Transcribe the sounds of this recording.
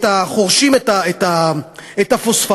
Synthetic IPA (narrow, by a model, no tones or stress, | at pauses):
taχoʁʃimet̪aet̪aetafosfa